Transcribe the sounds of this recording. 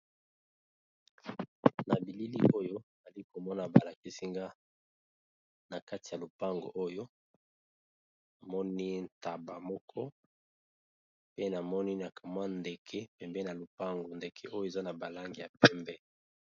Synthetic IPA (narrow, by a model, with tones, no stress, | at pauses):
na˨bi˨li˦li˦ʔo˦jo˦˨za˨li˦ko˨mɔ˦na˨ba˨la˨ki˦si˦ŋɡa˦ | na˨ka˦ti˨ja˨lo˨pa˦ŋɡo̰˨ʔo˦jo˦ | na˨mɔ˦ni˦n̩˨ta˨ba˨mɔ˦kʰɔ˦ | pe˦na˨mɔ˦ni˦na˨kʰa˨ma˦nde˨kʰɛ˦pɛ˨mbɛ˦na˨lo˨pa˦ŋɡo˨nde˨kʰe˦ʔo˦jo˦e˨za˦na˨ba˨la˦ŋɡi˨ja˨pɛ˦mbɛ˦